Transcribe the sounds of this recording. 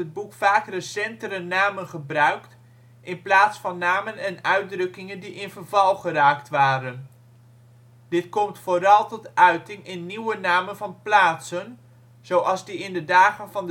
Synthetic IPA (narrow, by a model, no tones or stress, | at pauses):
əd̚bukfaːkrəsɛntərənaːmənχəbrœɥkt | ʔɪnplaːtsfɑnːaːmənɛnœɥdrɵkɪŋəndiʔɪnvərvɑlˠχəraːktʋaːɾən | dɪtkɔmtfoːɾɑlˠtɔtœɥtɪŋʔɪnːiwənaːmənvɑnplaːtsən | z̥owʔɑlˠzdiɪndədaːχənvɑnd